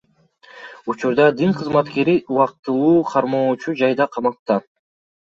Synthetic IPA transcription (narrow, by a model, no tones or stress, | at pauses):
ut͡ʃuɾd̪ɑd̪iŋqʰɯzmɑt̪ke̞ɾiʔuwɑq̚t̪ɯlˠuːqʰɑɾmo̞ːt͡ʃud͡ʒɑjd̪ɑqʰɑmɑq̚t̪ɑ